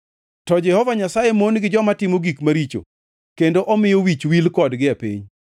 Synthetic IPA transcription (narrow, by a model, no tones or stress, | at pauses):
tɔd͡ʒɛhɔvaɲasajemonɡɪd͡ʒɔmatɪmoɡikmaɾit͡ʃo̰ | kendoʔɔmɪjowit͡ʃwilkɔdɡɪapḭɲ